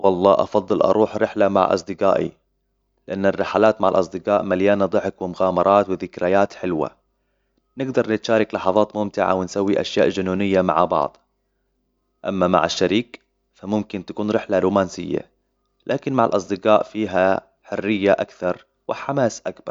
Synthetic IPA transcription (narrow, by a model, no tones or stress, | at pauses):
wɑlˤːɑːʔɑ̰fɑðˤːɨlʔɑ̰ɾˤʔuːħɾɪħlama̰ʕʔɑ̰sˤd̪ɪqaːʔḭ | lɪʔanːarːɪħalaːt̪maʕa̰lʔɑsˤd̪ɪqɑːʔmaljaːnad̪ˤɨħɪkwɪmʊɣaːmɑɾˤɑːt̪wɪðɪkɾajaːt̪ħɪlwa̰ | nɪɡd̪ɑɾˤnɪt̪ʃaːɾɪklɑħɑðˤɑːt̪mʊmt̪ɪʕa̰wɪnsawːiʔaʃjaːʔd͡ʒʊnuːnɪjːama̰ʕbɑ̰ʕd̪ˤ | ʔamːama̰ʕaʃːaɾiːk | famʊmkɪnt̪akuːnɾɪħlaɾuːmaːnsɪjːa̰ | lʔaːkɪnmaʕalʔɑsˤd̪ɪqaːʔfiːɦa | ħʊrːɪjːaʔakθɑɾˤ | wɪħamaːsʔakbɑɾˤ